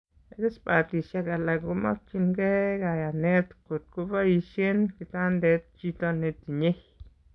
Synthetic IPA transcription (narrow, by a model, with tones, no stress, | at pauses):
e˨ɡe˦sba˨t̪i˨ʃja˧ɡa˨la˨ɡu˧˦ma̰˦kt͡ʃi˧nɡe˦ɡa˨ja˨ne˦t̪ku˨t̪̚ku˦ba˦ji˧ʃje˦nki˧t̪a˦nd̪e˧˦t̪̚t͡ʃi˧t̪o˦˧ne˧t̪i˨ɲe˦j